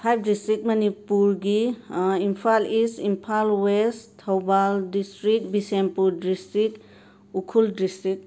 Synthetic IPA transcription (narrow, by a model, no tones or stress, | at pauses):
pʰajp̚ʰdistɾit̚mɐnipuɾɡiimpʰalisimpʰalwestʰːawbaldistɾik̚bisenpudistɾik | ukʰuldistɾik̚